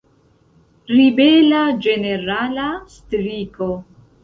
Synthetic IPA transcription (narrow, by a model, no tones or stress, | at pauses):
ɾibelad͡ʒe̞ne̞ɾalastɾiko̞